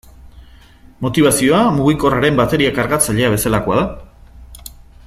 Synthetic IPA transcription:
mo̞t̪iβasio̞amuɣiko̞raɾe̞mbat̪e̞ɾiakaɾɣat͡saʎe̞aβ̞e̞salako̞aða

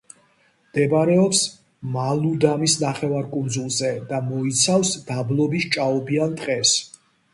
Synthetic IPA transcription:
md̪̥ɛbaɾɛɔps | malˠud̪amisnaχɛvaɾkʼund̪zulˠzɛd̪̥amɔit̪sʰafsd̪̥ablˠɔbist͡ʃʼaɔbiant̪ʼqʼɛs

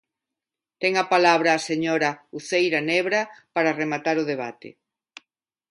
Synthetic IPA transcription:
t̪ɛŋɐpalaβɾɐːseɲɔɾɐuθejɾanɛβɾɐpaɾɐremat̪aɾʊðeβ̞a̰t̪ḛ

